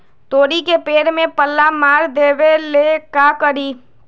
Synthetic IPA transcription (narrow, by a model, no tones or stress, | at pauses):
t̪oːɾikepeːɾmẽpəlːamaːɾd̪eːʋelekakəɾiː